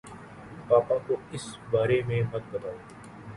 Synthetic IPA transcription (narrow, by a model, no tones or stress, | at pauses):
paːpakoɪsbaːɾemẽmɐt̪̚bɐt̪aːoː